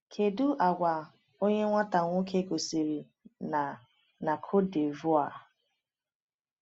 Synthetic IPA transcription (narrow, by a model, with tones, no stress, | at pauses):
kʰe˨du˦ʔa˨ɡʷa˨ | o˦ɲe˦ŋʷa˦ta˨ŋʷo˦kʰe˦ɡo˨si˨ɾi˨ | na˨ | na˨kʰo˦de˨vʊ˦a˨